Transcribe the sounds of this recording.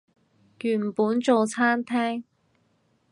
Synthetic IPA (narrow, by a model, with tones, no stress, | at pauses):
jyː˨˩m̩˨puː˨˥nt͡so˨wt͡sʰaː˥nt̪ʰɛː˥ŋ